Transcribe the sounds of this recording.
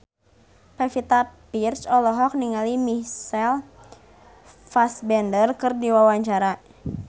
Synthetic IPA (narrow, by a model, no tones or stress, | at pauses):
pɛfit̪apirsɔlɔɦɔk̚niŋalimisɛl | fasbɛndərkɨrdiwawaɲt͡ʃaɾa